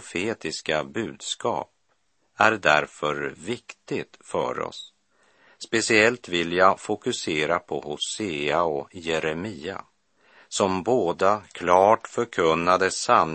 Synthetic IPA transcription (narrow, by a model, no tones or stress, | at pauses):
feːt̪ɪskabʉ̟ːd̪skɑ̰ːp̚ | æɾd̪æɾfœɾvɪkt̪ɪt̪fœ̰ɾɔ̰sː | pɛsɪɛlt̪vɪljafʊkɵseːɾapʰɔ̰hʊseːaɔjɛɾɛmiːa̰ | sɔmboːd̪akʰlɑːʈfœɾkʰɵnːad̪əsan